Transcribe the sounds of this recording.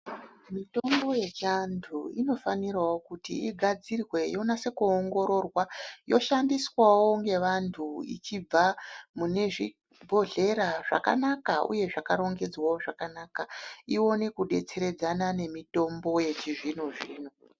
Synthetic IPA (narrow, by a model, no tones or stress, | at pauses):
mito̞mbo̞je̞t͡ʃantʰuino̞fanirawokutḭiɡʱad͡zirwe̞jonase̞kuːŋɡo̞ɾo̞rwajo̞ʃandiswawo̞ŋɡe̞ʋantʰuḭt͡ʃib͡vamune̞ʐi | bʱo̞ɮe̞ɾaʐa̰ka̰nakaʔṵje̞ʐakaɾo̞ŋɡe̞d͡zwawoʐakanaːkaio̞ne̞kuɗe̞t͡se̞ɾe̞d͡zanane̞mito̞mbo̞je̞t͡ʃiʐinuʐiːn̤u